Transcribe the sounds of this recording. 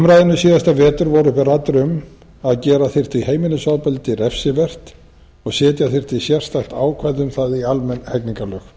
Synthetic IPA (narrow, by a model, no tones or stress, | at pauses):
mɾajðɪnʏsiːðast̪avɛːt̪ʏɾvɔɾʏhpɪrat̪ːɾʏm | aðcɛːɾaθɪr̥t̪iheːjmɪnʏsaːwpɛlt̪ɪɾɛfsɪvɛr̥t̪ | ɔɣsɛːt̪jaθɪr̥t̪ɪisjɛr̥st̪axt̪aːwkʰvaðʏmθaðialmɛnːhɛkniŋkalœx